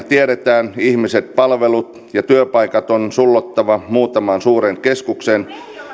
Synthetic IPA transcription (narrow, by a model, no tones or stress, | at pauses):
t̪ieɾet̪æːnihmiset̪̚pɑlʋelut̪ | jɑt̪yøpɑikɑt̪onsulːot̪ːɑʋɑmuːt̪ɑmɑnsuːɾeŋkeskuksen